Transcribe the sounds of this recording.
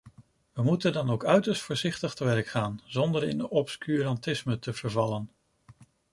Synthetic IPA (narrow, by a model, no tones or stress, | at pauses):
ʋəmutəndɑnowkœɥtəɹstfʊːɹzɪχtəχtəʋɛɹkχaːnzɔndəɹɪ̰nɔpskyɾɑntɪsmətəv̥əɹvɑlən